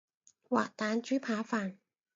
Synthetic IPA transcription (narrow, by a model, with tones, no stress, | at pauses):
wa̰ː˨˩t̪aː˨˥nt͡ɕyː˨˥pʰaː˨˥faː˨˩n